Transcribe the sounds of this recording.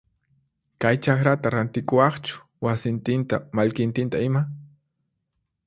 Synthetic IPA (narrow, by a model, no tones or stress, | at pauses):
kajt͡ʃaχɾat̪aɾant̪ɪkʊwɑχt͡ʃʊ̥ | wasɪnt̪ɪnt̪a̰maʎkɪnt̪ɪnt̪aɪma